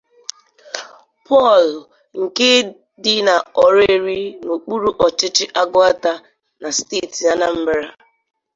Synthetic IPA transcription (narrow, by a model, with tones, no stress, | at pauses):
pɔ˦˨l | ŋ̩˨ke˦ | dɪ˦na˨ɔ˨ɾe˦˨ɾi˦no˨k͡pu˦ɾu˦ʔɔ˨t͡ʃɪ˦t͡ʃɪ˦ʔa˦ɡʊ˦a˦ta˦ | na˨ste˦˨ti˨ja˦na˦m̩˦bɪ˦ɾa˨